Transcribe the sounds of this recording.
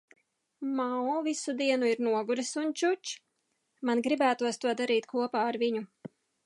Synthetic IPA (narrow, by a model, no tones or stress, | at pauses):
maɔvisud̪iɛnuiɾnuɔɡuɾisunt͡ʃut͡ʃ | manɡɾibæːt̪uɔst̪uɔd̪aɾiːt̪kʰuɔpaːaɾviɲu